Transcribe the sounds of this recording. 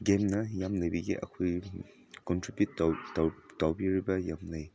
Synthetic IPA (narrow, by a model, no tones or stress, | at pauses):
ɡemnɐjamnɐjbiɡḭʔɐ̰kʰoj | kɔntɾibjutːattawbiɾibɐjamnɐj